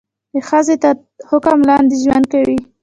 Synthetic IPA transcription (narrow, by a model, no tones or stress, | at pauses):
d̪əxəzet̪a | hʊkamlɑnd̪eʒwand̪̚kawi